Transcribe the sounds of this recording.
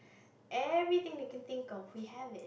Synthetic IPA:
ʔɛvɹit̪ɪ̃ŋdekɛ̃nθɪ̃ŋkɔfwiɦɛvɪt̚

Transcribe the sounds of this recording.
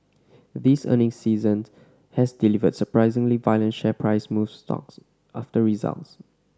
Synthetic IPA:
ðisə̰nɪ̃ŋsiːzə̃ns | hɛsdilivədsəpɹaɪzɪ̃ŋlivajlə̃nʃɛpʰɹaɪsmufstɔ̰ks | ʔaftəɹiza̰lts

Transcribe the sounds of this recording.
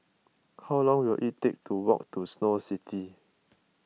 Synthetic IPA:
haʊlɔ̃ŋwilʔiʔtek̚tʰuwɔ̰k̚tusnositʰi

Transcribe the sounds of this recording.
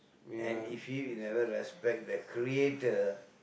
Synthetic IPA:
ɛ̃nifjiwinɛvəɹɛspɛk̚dəkʰɾietə

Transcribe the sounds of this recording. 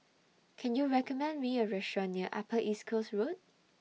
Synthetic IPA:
kʰɛ̃njuɹɛkɔmɛ̃ndmiəɹɛʃɔniəʔapəʔiskʰosɹot̚

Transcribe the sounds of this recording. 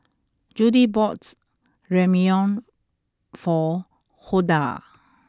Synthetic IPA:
d͡ʒudibɔt | ɹɛmiɔ̃n | fɔ | xuda̰

